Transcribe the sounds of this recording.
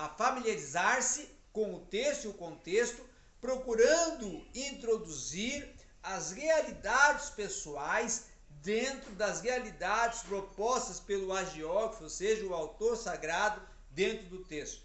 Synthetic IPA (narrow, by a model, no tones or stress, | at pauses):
ɐfamiliaɾizaɾsɪ | kõw̃ʊt̪est̪ʊiʊkõnt̪est̪ʊ | pɾokuɾɐ̃nd̪ʊĩnt̪ɾod̪uziɾ | ɐzhealid̪ad͡ʒɪspesuajs | d̪ẽnt̪ɾʊd̪ɐshealid̪ad͡ʒɪspɾopɔst̪ɐspelʊaʒeɔɡɾfoseʒɐʊawt̪oɾsaɡɾad̪ʊ | d̪ẽnt̪ɾʊd̪ʊt̪est̪ʊ